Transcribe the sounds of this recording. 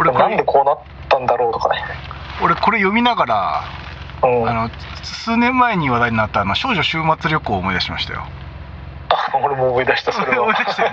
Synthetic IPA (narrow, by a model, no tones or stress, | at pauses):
oɾenoãnd̪e̞kʰoːnat̪ːãnd̪aɾo̞ːt̪oka̰ne | oɾe̞ko̞ɾe̞jo̞mʲinaɡaɾa̰ | ɯ̃ːano̞ | sɨːnẽ̞mːae̞ɲ̟iβad̪aiɲinat̪ːanoɕo̞ːʑo̞ɕɨːmat͡sɨɾʲo̞kɯ̟oːmo̞id̪aɕima̰ɕi̥t̪a̰jo̰ | aoɾemoːmoid̪aɕi̥t̪asɾɯomoid̪ai̥t̪a